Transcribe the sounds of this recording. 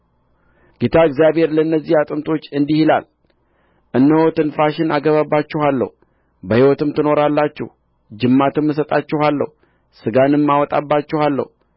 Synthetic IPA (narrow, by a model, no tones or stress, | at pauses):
ɡet̪ʰaɨɡzijabhe̞ɾlənːəzːihat̪ʼɨmt̪ʰo̞t͡ʃːɨnd̪ihila̰l | ʔɨnːəhot̪ɨnfaʃɪnaɡəβabːat͡ʃːɛhalːə̰h | bəhiwɔt̪ɨmt̪ɨno̞ɾalːat͡ʃːɛ̰hu | d͡ʒɨmːat̪ɨmːɨs̬ət̪ʼat͡ʃːɛhalːə̰h | sɨɡanɨmːawɔt̪ʼa̰bːat͡ʃːɛhalːə̰h